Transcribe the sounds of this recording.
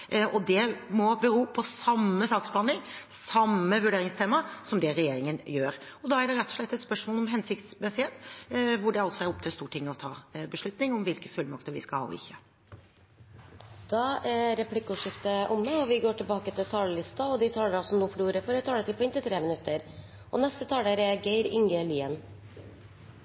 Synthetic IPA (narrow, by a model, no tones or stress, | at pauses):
ɔd̪ɛmɔbəɾuːpʰɔsɑmːəsɑːksb̥lɑnd̪ɪŋsɑmːəʋʉɖeːɾɪŋst̪ʰeːmɑsɔmd̪ɛɾɛjeːɾɪŋənjøːɾɔd̪ɑæɖɛɾɛt̪ːɔ̥ʂɭɛt̪ːɛt̪spœʂmoːlɔmɦɛnsɪkt̪smɛsɪheːt̪ʋʊɖɛɑlsɔɛɾɔp̚t̪ʰɪlst̪uːʈʰɪŋːəɔt̪ʰɑːbəʂɭʉt̪nɪŋɔmʋɪlkəfʉlmɑkt̪əɾʋɪ̰skɑlhɑ̰ːɔ̰ɪ̰çːə | d̪̥ɑɛɾɾɛplɪkːuːʂɪft̪əʔʊmːəɔʋɪɡoːʈɪlbɑːkət̪ʰɪlt̪ʰɑːləlɪst̪ɑɔd̪ɪt̪ʰɑːləɾɑlsɔmnuːfɔɾuːɾəfɔɾɛt̪ʰɑːlət̪ɪlpʰɔɪnt̪ɪt̪ʰɾeːmənʉt̪ːəɾ | ʔɔ̰nɛst̪ət̪ʰɑːləɾɛɾɡæɪɾɪŋɡəliːən